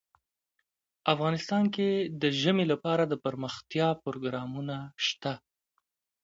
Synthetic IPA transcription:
afɣɑnɪst̪ɑnked̪əʒəmelapɑɾad̪əpəɾməxt̪jɑpʊɾoɡɾɑmunaʃt̪a

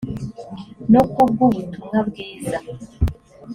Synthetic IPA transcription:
nokub̚ɡuβutumhabɡiːza

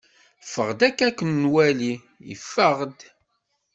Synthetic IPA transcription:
fəʁd̪ækːækːənːwæli | ḭfːəʁd̪

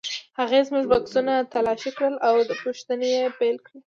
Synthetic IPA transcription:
haɣezmuʒbaksunat̪alɑʃikɽəlawd̪əpuʃt̪ənejepejlkɽə

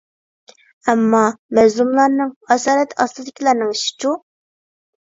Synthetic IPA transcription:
ɛmːɑmɛzlˠumlˠɑɾnɨŋɑsɑːɾɛt̪ʰɑslˠɨd̪ɪkʲʰilˠæɾnɨŋiʃi̥t͡ʃu

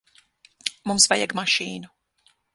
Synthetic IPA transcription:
mumsvajɛɡmaʃiːnu

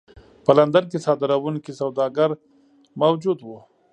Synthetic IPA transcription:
pəland̪ank̬esɑd̪ɪɾawuŋkisawd̪ɑɡaɾ | mawd͡ʒud̪wu

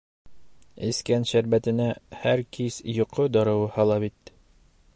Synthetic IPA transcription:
ɘ̆skænʃæɾbæt̪ɘ̆næhæɾkisjŏqod̪ɒɾɤ̆wɤhɑlˠɑβit̪

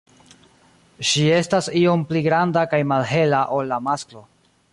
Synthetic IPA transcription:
ʃie̞stasio̞mpliɡɾandakajmalɦe̞laʔo̞lːamasklo̞

